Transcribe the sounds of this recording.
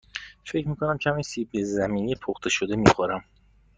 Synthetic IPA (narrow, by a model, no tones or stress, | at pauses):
fe̞cʰɾmiːkʰonæmcʲʰæminsibezæmiːnipʰoxt̪ʰeʃod̪e̞miːxoɾæm